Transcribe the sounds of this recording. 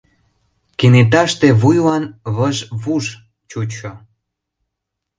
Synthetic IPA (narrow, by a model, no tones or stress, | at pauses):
kenet̪̬ɑʃt̪eβujlɑnβəʒβuʃ | t͡ɕut͡ɕo